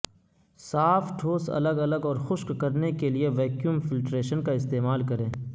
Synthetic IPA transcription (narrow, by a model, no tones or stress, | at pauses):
saːfʈʰoːsɐ̰ləɡɐləɡɔːɾxʊʃkkɐɾnekelieʋɛːkjuːmfɪlʈɾeːʃənkaɪst̪eːmaːlkɐɾẽː